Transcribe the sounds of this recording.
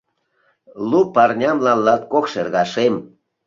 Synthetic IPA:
lupɑɾnʲɑmlɑlːɑt̪̚koxʃeɾɣɑʃem

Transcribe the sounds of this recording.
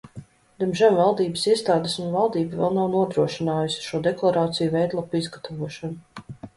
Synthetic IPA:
d̪ɛmʒɛmvalˠd̪iːbəsiɛst̪aːd̪esunvalˠd̪iːbavɛ̰lˠnawnuɔd̪ɾuɔʃinaːjusʲi̥ʃuɔd̪ɛklˠaɾaːt̪sijuvɛjd̪lˠapizɡat̪ʰavuɔʃanu

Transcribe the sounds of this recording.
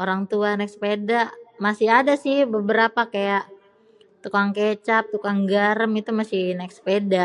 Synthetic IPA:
oɾaŋt̪uanɛkspedamasɪhadasɪhbəbəɾapakajaʔ | t̪ukaŋket͡ʃap̚t̪ukaŋɡaɾəmit̪umasɪhnɛkspeda

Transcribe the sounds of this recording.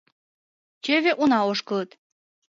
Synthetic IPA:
t͡ɕøvʲeʔunɑoʃkɤlɤt̪

